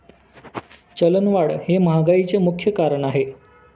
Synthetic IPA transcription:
t͡ɕələnʋaɽhemaɡait͡semukʰjəkaɾəɳaɦe

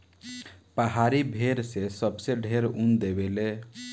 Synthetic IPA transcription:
pəɦaɾibʱeɾsesəbseɖʱeɾund̪ebele

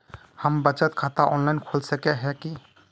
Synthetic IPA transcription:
həmbət͡ʃət̪kʰat̪aʔɔnlajnkʰolsəkɛɦɛki

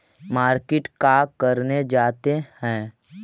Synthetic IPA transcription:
maːɾkɪʈkaːkəɾned͡ʒaːt̪ehɛ̃ː

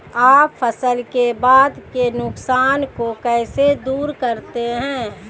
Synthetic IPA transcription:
aːpfʰəsəlkebaːd̪kenʊksaːnkokɛːsed̪uːɾkəɾt̪eɦɛ̃ː

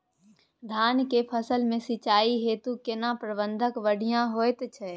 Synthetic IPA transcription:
d̪ʱaːnkepʰəsəlmẽsɪt͡ʃaːiɦeːt̪ukɪnãpɾəbə̃nd̪ʱəkʋəɽ̤ʱijãɦoːt̪t͡ʃʰɛ

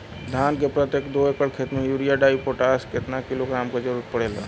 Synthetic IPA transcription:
d̪ʱankepɾət̪jekd̪oekəɽkʰet̪mejuɾijaɖaipoʈasket̪nakiloɡɾaːmked͡ʒəɾuɾpəɽela̰

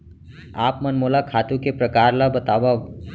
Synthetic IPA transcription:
aːpmənmolakʰaːt̪ũkepɾəkaːɾləbət̪aːʋa

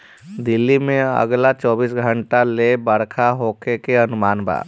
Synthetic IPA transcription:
d̪ɪlːimẽə̰ɡlat͡ʃɔːbiːsɡʱə̃ɳʈalebəɾkʰaɦoːkekeɐnʊmaːnba̰ː

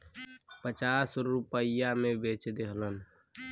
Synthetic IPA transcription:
pət͡ʃaːsɾʊpəjamẽbeːt͡ʃd̪eɦlən

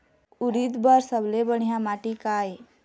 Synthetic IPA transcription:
uɾit̪bəɾsəblebəɳjamaʈikaj

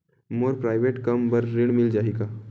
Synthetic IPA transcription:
moːɾpɾaːɪʋeːʈkɐmbɐɾːɪɽmɪld͡ʒaːɦiɡaː

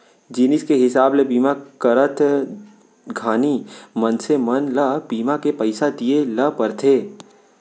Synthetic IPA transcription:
d͡ʒiːnɪskeɦɪsaːblebiːmakəɾət̪ | ɡʱaːnimənsemɐnləbiːmakepɐɪsad̪ieləpəɾt̪ʰeː

